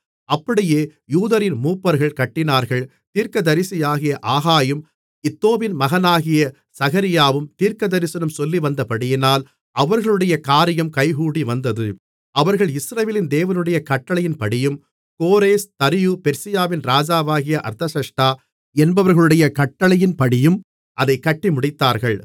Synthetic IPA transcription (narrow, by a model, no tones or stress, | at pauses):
ɐpːɐɽɪjeːjuːðɐɾɪnmuːpːɐɾɣɐɭkɐʈːɪnaːɾɣɐɭ | t̪iːɾkɐd̪ɐɾɪsɪjaːɣɪjɐʔaːɣaːjɯm | ɪt̪ːoːʋɪnmɐɣɐnaːɣɪjɐ | sɐɣɐɾɪjaːʋɯmt̪iːɾkɐd̪ɐɾɪsɐnɯmsɔlːiʋɐnd̪ɐpɐɽɪjɪnaːl | ʔɐʋɐɾɣɐɭɯɽɐjɐkaːɾɪjɐmkɐɪɣuːɽiʋɐnd̪ɐðɯ | ɐʋɐɾɣɐɭɪsɾɐʋeːlɪnd̪eːʋɐnɯɽɐjɐkɐʈːɐɭɐjɪnpɐɽɪjɯm | koːɾeːst̪ɐɾɪjɯpɛɾsɪjaːʋɪnɾaːd͡ʒaːʋaːɣɪjɐʔɐ̰ɾt̪ɐsɐʂʈaː | ɛnbɐʋɐɾɣɐɭɯɽɐjɐkɐʈːɐɭɐjɪnpɐɽɪjɯm | ʔɐðɐɪkːɐʈːɪmʊɽɪt̪ːaːɾɣɐɭ